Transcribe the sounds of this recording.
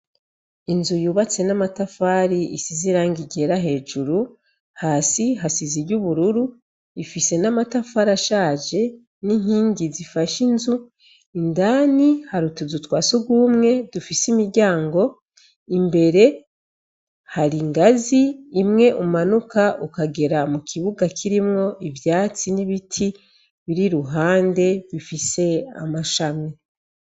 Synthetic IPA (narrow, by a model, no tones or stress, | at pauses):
inzujuːβat͡se̞namatafaːɾiisiziɾaːŋɡiɟe̞ɾaɦe̞ːʒuɾu | haːsiɦasiziɾɟuβuɾuɾu | ifise̞namatafaːɾaʃaːʒe̞ | niɲ̥iːɲɟizifaʃinzu | indaːnihaɾutuzutwaːsuɡwumŋe̞d̥ufisimiɾɟaːŋɡo̞ | imbe̞ɾe̞ | haɾiŋɡaziːmŋe̞ʔummanukaʔukaɡe̞ɾamukʰiβuɡakʰiɾimŋo̞ʔivjaːt͡siniβitʰi | βiɾiɾuɦaːnde̞βifise̞a̰maʃame